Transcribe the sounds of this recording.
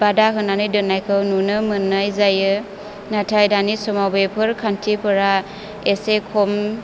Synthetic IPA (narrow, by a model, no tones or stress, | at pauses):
badakɯnanɯjdɯnajkʰɯwnunɯmɯnːajzajɯ | natʰajdanisɔmawbepʰɯɾkʰantʰipʰɯɾa | esekʰɔm